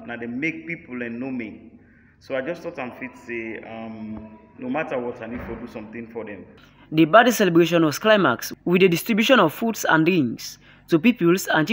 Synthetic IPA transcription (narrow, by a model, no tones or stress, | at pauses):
nadɛmek̚piplɛ̃nːomi | soaɪd͡ʒʌstɔtãnfitseam | nomatəwɔtaɪnid̥fɔdusɔ̃mθĩŋfɔdɛ̃m | dəbadisɛlɛbɹeʃ̬ɔ̃nwɔsklãɪmakswidədistɹibjuʃɔ̃nɔv̥fudsã̰ndɹĩŋs | tupipəlsãnt͡ʃ